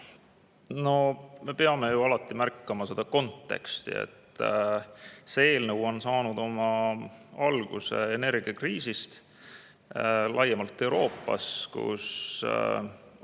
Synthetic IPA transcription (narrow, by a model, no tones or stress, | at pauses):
no̞me̞peɑme̞juɑlɑt̪ːˑimærkːɑmɑse̞d̪̥ɑko̞nt̪ːe̞̰kst̪ḭḛt̪ːˑ | seeːlnəwo̞nsɑːnud̪o̞mɑ | ɑlɡ̥ṵseene̞rɡ̥iɑkriːsist̪ | lʔɑjːemɑlt̪ˑːe̞uwɾo̞ːpːˑɑ̰skṵs